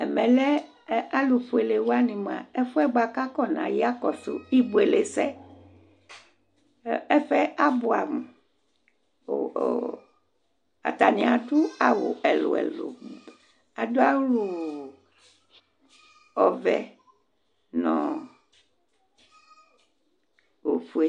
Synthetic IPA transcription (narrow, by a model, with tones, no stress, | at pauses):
ɛ˨mɛ̃˨lɛ˦ | a˦lu˨ɸu˨e˨le˨wa˦nĩ˨m˨ã̰˨e˦fu˦ɛ˦ɡ͡ba˨ka˦kɔ˦nã̰˨ji˦a˦kɔ˨so̰˨i˦bo˨e˨le˨sɛ˦ | ɛ˦ɸɛ˦a˦bo˨a˨mu˨ | a̰˨t̪a˨nĩ˨a˨du˦a˨wo̰˨e˨lo̰˨ḛ˨lo̰˨ | a˨do˦a˦lu˨ | ɔ˨vɛ˨ | nɔ̃˨ | wo˨fu˨e˨